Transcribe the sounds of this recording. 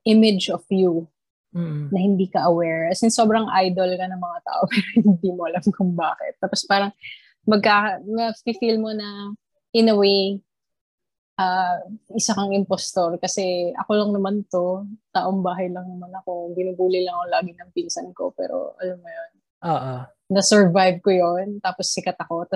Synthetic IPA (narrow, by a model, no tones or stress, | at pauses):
ʔɪmɪd͡ʒofju | nɐhɪnd̪iːkɐʔɐwɛɹɐsɪnso̞ːbɾɐŋʔajd̪olkɐnɐŋmɐŋat̪a̰ːʔopɛːɾohhɪnd̪iːmoʔɐlɐmkʊŋbaːkɪ̰t̪̚ːaːpospaːɾɐŋ | mɐɡ̚kaɐmɐɡpifilmo̞nɐ | ʔɪnɐwej | ʔaːʔɪsakɐŋɪmpost̪oɾkɐsɛɐkolɐŋnɐmant̪o̞t̪aːʔombaːɦɐjlɐŋnɐmanɐko̞ɡɪnuɡuːlɪlɐŋkoŋlaːɡɪnɐŋpinsɐnko̞̰pɛ̰ːɾo̰ʔɐlɐmŋɐjo̞n | ʔoʔoː | ɐsɛɹvajb̚kojont̪aːposːɪkɐt̪ɐko̞t̪